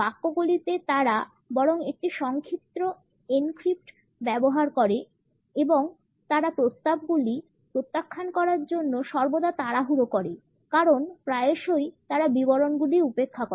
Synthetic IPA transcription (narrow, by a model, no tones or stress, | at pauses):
bakːoɡulit̪et̪aɾa | bɔɾoŋek̚ʈiʃɔŋkʰit̪ːɾo | enkɾip̚ʈ | bɛboɦaɾkɔɾe | eboŋ | t̪aɾapɾost̪ab̚ɡuli | pɾot̪ːakʰːankɔɾaɾd͡ʑonːoʃɔɾbod̪at̪aɾaɦuɾokɔɾe | kaɾonpɾaeeʃojt̪aɾabiboɾonɡuliupekʰːake